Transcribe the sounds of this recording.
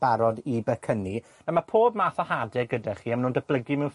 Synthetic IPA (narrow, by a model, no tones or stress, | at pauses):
b̥aɾɔdibɛkʰəni | namapʰoːbmaːθɔhadɪɡədaχiːamnuːndəb̥lˠəɡimɛwn